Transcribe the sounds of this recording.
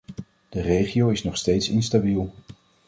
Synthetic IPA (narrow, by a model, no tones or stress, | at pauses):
d̥ərejχiowɪsnɔχstejtsɪnstabilˠ